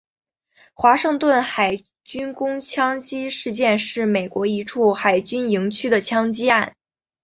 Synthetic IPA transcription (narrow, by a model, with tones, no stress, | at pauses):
xwa˧˥ʂɤ˥˧ŋt̪wə˥˩nxa˨˩ɪ | t͡ɕy˥nkʊ˥ŋt͡ɕʰjɑ˥ŋt͡ɕi˥ʂɻ̩˥˧t͡ɕjɛ˥˧nʂɻ̩˥˩me˨˩ɪkwɔ˧˥i˧˥ʈ͡ʂʰu˥˩xa˨˩ɪt͡ɕy˥ni˧˥ŋt͡ɕʰy˥d̪ə˨t͡ɕʰjɑ˥ŋt͡ɕi˥a˥˩n